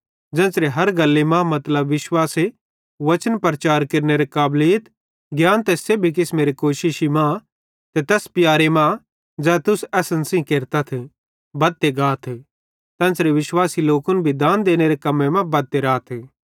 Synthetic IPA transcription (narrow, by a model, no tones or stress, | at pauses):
d͡ʒɛ̃ːnsɾeɦɐɾɡɐlːemãmɐt̪ləbʋɪʃwaːse | ʋɐt͡ʃənpɾɐt͡ʃaːɾkɐɾneɾekaːbliːt̪ | ɡjaːnt̪ɛsebʱik̬ɪsmeːɾikoːʃɪʃimã | t̪et̪ɛːspɪjaːɾemã | d͡ʒɛːt̪ʊsɛːsənsĩkeːɾt̪at̪ʰe | bɐd̪̚t̪ːeɡaːt̪ʰ | t̪ɛ̃ːnsɾeʋɪʃwaːsiloːkʊnbʱid̪ãːnd̪eːñeɾekɐmːẽmãbɐd̪̚t̪ːeɾaːt̪ʰe